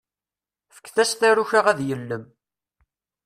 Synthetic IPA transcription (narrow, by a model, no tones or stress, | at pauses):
fə̥kːθæsθæɾuçaʁæðjəlːəm